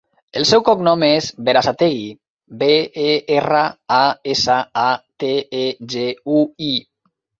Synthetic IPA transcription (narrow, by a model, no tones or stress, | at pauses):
elˠsɛwkɔknɔmezβeɾasat̪eɣi | beeerəaesaat̪eeʒeui